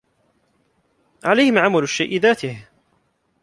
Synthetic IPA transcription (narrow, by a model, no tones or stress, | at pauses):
ʕalajhɪmʕamalʊʃːajʔɪðaːt̪ɪh